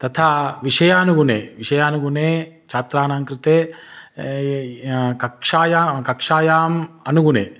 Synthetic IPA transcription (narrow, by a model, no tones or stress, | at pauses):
t̪ɐt̪ʰaːʋiʃɐjaːnuɡunḛːʋiʃɐjaːnuɡuneː | t͡ʃʰaːt̪ɾaːnaːŋkɾɪt̪eː | kɐkʂaːjaːkɐkʂaːjaːmɐnuɡunḛː